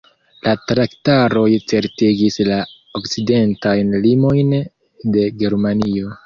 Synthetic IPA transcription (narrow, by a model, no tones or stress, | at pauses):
lʔatɾaktaɾo̞jt͡se̞ɾtiɡisla | okt͡side̞ntajnlimo̞jn | de̞ɡe̞ɾmanio̞